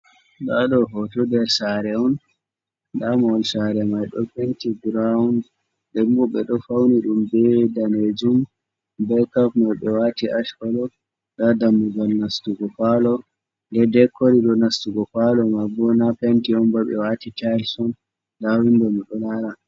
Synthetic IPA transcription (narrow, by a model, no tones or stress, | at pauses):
ɗaɗɔɦɔtɔdɛɾsaɾɛɔn | damɔlsaɾɛmajɗɔ̰pentiɡɾaund | dɛmbɔɓɛɗɔfawniɗumbɛdaned͡ʒum | bɛkapmajɓɛwatiʔaʃkɔlɔ | ɗadamːuɡalnastuɡɔpalɔ | ndɛdɛkːoɾidɔnastuɡɔpalɔmabɔnapentiɔnbɔɓɛ̰watitalsɔn | dawindɔmiɗɔlaɾa